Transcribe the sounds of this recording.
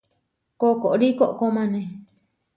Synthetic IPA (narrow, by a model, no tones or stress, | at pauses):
kokoʔɾikoʔkomãnẽ